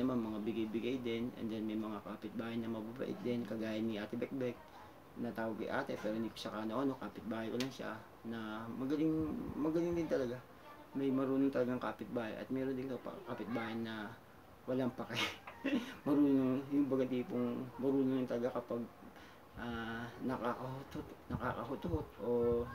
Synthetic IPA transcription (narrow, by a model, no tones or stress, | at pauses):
ɐmanmɐŋabɪɡajbɪɡajd̪ɪnʔɛ̰nd̪ɛnmɐjmɐŋakapɪt̪̚baːhanɐmɐbabɐ̰ʔɪ̰t̪̚d̪ɛnkɐɡaːjɐnːiʔaːt̪ɪbɛk̚bɛk̚ | nɐt̪aːwɐɡ̚kɐ̰jʔa̰ːt̪ɛpɛːɾo̞hɪnd̪iːkoʃɐkaːnoʔɐno̞kaːpɪt̪̚baːhɐjkolaŋʃa̰ | nɐmɐɡɐlɪŋmɐɡɐlɪŋd̪ɪnt̪ɐlɐɡa | mɐjmɐɾuːnoŋt̪ɐlɐɡaŋka̰ːpɪt̪̚baːhɐ̰jʔɐ̰t̪̚mɛːɾond̪ɪnŋt̪opɐ̰kapɪt̪̚baːjɐnːɐ | wɐlaŋpɐkɛ | mɐɾuːnoŋjʊŋbɐɡɐt̪iːpoŋmɐɾuːnoŋʊnt̪ɐlɐɡakɐpaɡ̚ | ʔanɐkakɐhʊt̪ot̪nɐka̰ːkɐɦʊt̪ot̪ʔo̞